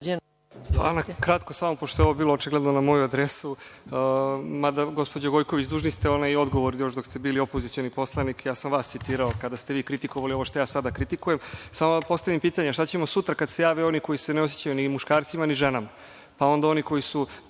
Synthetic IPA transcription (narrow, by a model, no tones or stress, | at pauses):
a̰nakɾat̪kosamopoʃt̪oeoobiːlˠoot͡ʃiɡled̪nonamo̞juad̪ɾesu | mad̪aɡo̞spo̞d͡ʑaɡo̞jkoʋit͡ɕd̪uːʒnist̪eo̞najo̞d̪ɡo̞ʋo̞ɾijo̞ʃd̪o̞kst̪e̞biːlio̞po̞zit̪sionipo̞slˠanikjaːsamʋaːst̪sit̪iːɾaokad̪ast̪eʋiːkɾit̪ikoʋalio̞ʋo̞ʃt̪ojaːsad̪akɾit̪ikuje̞msamod̪apo̞st̪aʋimpiːt̪aɲaʃt̪at͡ɕe̞mo̞sut̪ɾakad̪se̞jaːʋeo̞niko̞jiseneos̬jet͡ɕajunimuʃkaːɾt̪simaniʒenama | pao̞nd̪ao̞niko̞jisu